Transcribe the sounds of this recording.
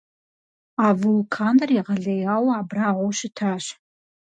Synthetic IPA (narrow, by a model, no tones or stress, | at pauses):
aːvɨlkʰaːnɐriʁɐɮɐjaːwaːbraːʁʷɔwʃɪtʰaːɕ